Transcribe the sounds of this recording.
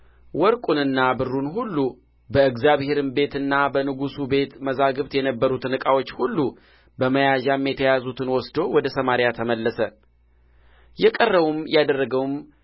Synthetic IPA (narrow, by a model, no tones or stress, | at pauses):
wɔɾkʼunɨnːabɨrːunɦulːu | bəɨɡzjaβhe̞ɾɨmbe̞t̪ɨnːabənɨɡusube̞t̪məzaɡɨβt̪jɛnəbːəɾut̪nɨkʼawot͡ʃːhulːu | bəməjaʒamjɛt̪ʰəjazut̪ʰɨnwɔsd̪o̞wɔd̪əsəmaɾjat̪ʰəməlːəsə | jɛkʼərːəβumjad̪ərːəɡəwm